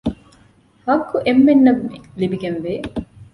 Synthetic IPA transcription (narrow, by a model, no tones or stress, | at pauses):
hɐkːuʔemːenːɐɡulibiɡɐnʋeː